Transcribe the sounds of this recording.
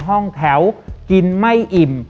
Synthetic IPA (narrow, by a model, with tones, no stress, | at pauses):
ɦɔ˥˩ŋt̪ʰɛ˩˦wki˧nma˥˩jʔi˨˩m